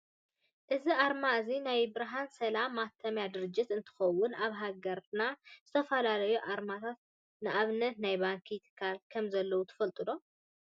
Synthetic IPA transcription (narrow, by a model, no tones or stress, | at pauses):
ʔɨziʔaɾmaɨzinajbɨɾɦansɐlamːat̪ʰːɐmjad̪ɨɾɨd͡ʒːɪt̪ɨnt̪ʰɨ̥xɐwːʊnaβɦaɡɐɾɨnaz̥ɨt̪ʰɐfɐlalɐjuʔaɾmat̪ʰat̪̚ | nɨʔaβnɐt̪najbaŋkʰit̪ʰkʰalkʰɐmzɐlːɐwut̪ʰɐ̥fɐlt̪ʼɨlo̞